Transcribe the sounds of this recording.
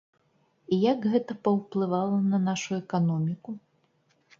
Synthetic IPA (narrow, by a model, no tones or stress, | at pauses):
ijakɣɛt̪ɐpɐwplˠɨvalˠɐnɐnaʂuɛkanɔmʲiku